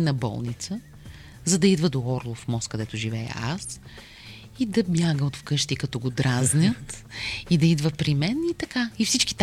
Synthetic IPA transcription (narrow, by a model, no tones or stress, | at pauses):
nɐbɔ̰lˠnit̪sə | zɐd̪ɐid̪vəd̪oɔɾlˠofmɔst̪̚kɐd̪ɛt̪ʊʒivɛə̰a̰s | id̪ɐbjaɡəot̪fkɤʃt̪ikɐt̪ɔɡod̪ɾaznʲət̪id̪ɐid̪vəpɾimɛnit̪ɐkaifsit͡ʃki̥t̪